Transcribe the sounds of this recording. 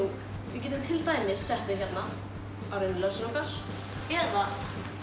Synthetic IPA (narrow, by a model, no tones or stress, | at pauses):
u | vɪcɛːt̪ʏmt̪ʰɪlt̪aːjmɪsːɛht̪ɪçɛt̪na | awɾenlœsɾowkaɾ̥ | ɛða